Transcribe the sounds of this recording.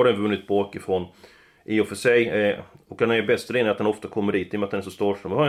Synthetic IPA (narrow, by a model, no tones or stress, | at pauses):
adɛnvɵnːɪt̪̚bɑːkɪfɾɔn | ʔɪɔfœʂɛjɔkd̪ɛnæbɛst̪ɾɪːnɪat̪̚d̪ɛnɔft̪akʰɔmːəɖiːt̪ːɪjmat̪d̪ɛnæʂɔst̪uːʂɔmha